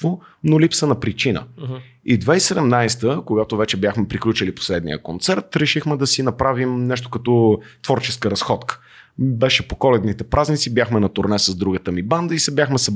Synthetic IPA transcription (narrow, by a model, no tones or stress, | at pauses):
vo | nolipsənɐpɾit͡ʃinə̰ | id̪vaisɛd̪ɛmnajst̪əkoɡat̪ʊvɛt͡ʃɛbʲjaxmɛpɾiklʲut͡ʃəlipo̥slɛd̪nḭjə̰kont̪sɛɾt̪ɾɛʃixmɛd̪ɐsinɐpɾavimnɛʃt̪okɐt̪ɔt̪v̥ɔɾt͡ʃɛskəɾɐsxɔt̪kə̥ | bɛʃɛpokɔlɛd̪nit̪ɛpɾʔaznit̪sibjaxmɛnɐt̪oɾnɛsɐzd̪ɾuɡət̪əmiband̪əisɛbʲjaxmɛsɛ